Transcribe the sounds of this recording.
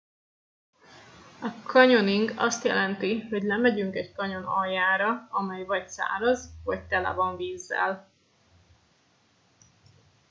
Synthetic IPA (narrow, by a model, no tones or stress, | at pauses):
ɒkʰɒɲo̞niŋɡɒ̰st̪jɛ̰lɛnt̪iɦo̞ɟlɛmɛɟyŋkɛckɒɲo̞nɒjːaːɾɒɒmɛjvɒcsa̰ːɾɒzvɒc̚t̪ɛla̰bɒɱviːzːɛ̰l